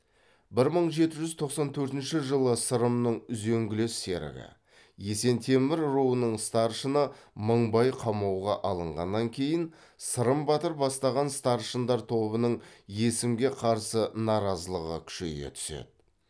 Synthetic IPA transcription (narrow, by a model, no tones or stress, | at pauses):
bɪɾməɴʒe̞t̪ɪʒʏzt̪ʰo̞qsɑnt̪ʰɵɾt̪ɪnʃɪʒəlˠəsəɾəmnəɴʏzeŋɡʲɪlesːe̞̰ɾɪ̰ɡʲɪ̰ | je̞se̞nt̪ʰe̞mɪɾruənəɴst̪ɑɾʃənəməɴbɑjqʰɑmɑwʁɑʔɑlˠəɴʁɑ̰nːɑŋkʲʰe̞jɪn | səɾəmbɑt̪əɾpbɑst̪ɑʁɑnst̪ɑɾʃənd̪ɑɾt̪ʰo̞bənəɴje̞sɪmɡʲe̞qʰɑɾsənɑɾɑzəlˠəʁə̰kʲʰʏ̥ʃe̞̰jɡʲḛt̪ʰʏ̥se̞̰d̪̥ɪ